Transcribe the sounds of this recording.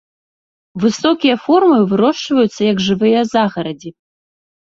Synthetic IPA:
vɨsɔkʲijɐfɔrmɨvɨɾɔʂvɐjut̪sːɐjɐkʐɨvɨjɐzaɣɐɾɐd͡zʲi

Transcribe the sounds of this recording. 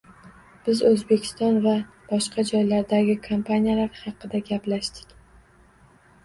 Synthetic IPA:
b̥ɪzɵzbe̞kʲʰɪ̥st̪ɒnva | b̥ɒʃqʰɑd͡ʒɒjlaɾd̪aɡʲɪkʰampʰanʲijalaɾhɑqɨd̪aɡʲaplaʃt̪ɪ̥kʲ

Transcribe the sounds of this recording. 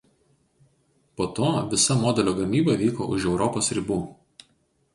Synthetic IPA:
poːt̪oːʋʲɪsɐmɔːd̪ʲɛlʲoːɡɐmʲiːbɐʋʲiːko̰ːʔʊʒɛʊɾɔpoːsɾʲɪbuː

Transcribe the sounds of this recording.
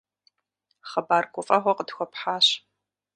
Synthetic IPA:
χɐbaːrkʷʊfʼɐχʷɔqədxʷɔpħaːɕ

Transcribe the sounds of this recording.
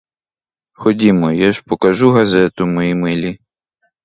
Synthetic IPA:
xɔdʲimɔjaʒpɔkɐʒuɦɐzɛt̪ʊmɔjimɪlʲi

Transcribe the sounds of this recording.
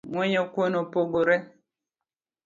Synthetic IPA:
ŋwɛɲɔkwonɔpoɡoɾɛ

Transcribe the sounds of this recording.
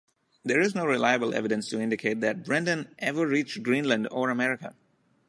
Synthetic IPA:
d̪eːɹɪznoːɹɪlaɪəbəl̩ˠʔɛ̰vɪdə̃nstuɪ̃ndɪkʰeːt̚d̪æt̚bɹɛ̃ndə̃nʔɛʋəːiːt͡ʃɡɾĩnlə̃nɖɔːɹəmɛɹɪkə̰

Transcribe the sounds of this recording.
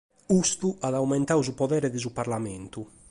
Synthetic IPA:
ust̪uʔaðawmɛnt̪auzupɔðɛːɾɛd̪izuparlamɛnt̪u

